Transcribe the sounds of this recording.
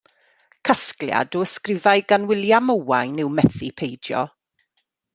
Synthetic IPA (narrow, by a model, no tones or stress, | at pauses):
kʰasklja̰dɔəskrɪvajɡanwɪljaməwajnɪwmɛθipʰejdjɔ̰